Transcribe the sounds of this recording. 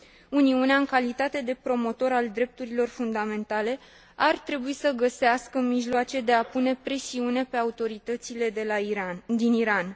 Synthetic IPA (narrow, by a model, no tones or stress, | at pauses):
uniuneaɨŋkalit̪at̪e̞d̪e̞pɾo̞mo̞t̪o̞ɾald̪ɾe̞p̚t̪uɾilo̞rfund̪ame̞nt̪ale̞ | art̪ɾe̞buisəɡəseaskəmiʒloat͡ʃe̞d̪e̞apune̞pɾe̞siune̞pe̞aut̪o̞ɾit̪ət̪sile̞ | d̪iniɾan